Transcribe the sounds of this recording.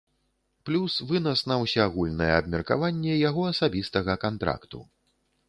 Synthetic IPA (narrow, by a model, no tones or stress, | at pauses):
plʲusvɨnɐsnɐwsʲɛaɣulʲnɐjɛːbmʲɛrka̰vanʲːɛjaɣɔɐsabʲist̪ɐɣɐkant̪ɾa̰kt̪ṵ